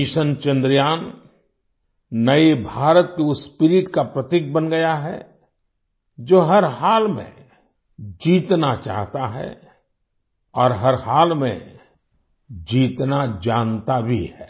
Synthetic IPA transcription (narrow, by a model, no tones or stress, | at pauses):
ɪʃənt͡ʃə̃nd̪ɾjaːn | ɐebʱaːɾət̪keʊsːpɪɾɪʈkapɾɐt̪ɪk̚bənɡɐjaɦɛ̰ | d͡ʒoːɦɐɾhaːlmḛ̃ | d͡ʒiːt̪nat͡ʃa̰ːɦt̪aɦɛ̰ | ɔːɾɦɐɾhaːlmḛ̃ | d͡ʒiːt̪nad͡ʒaːnt̪abʱḭɦɛː